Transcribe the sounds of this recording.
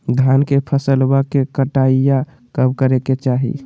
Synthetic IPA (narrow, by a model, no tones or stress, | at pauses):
d̪ʱjankepʰəsəlbakekəʈaija | kəbkəɾeket͡ʃaɦḭ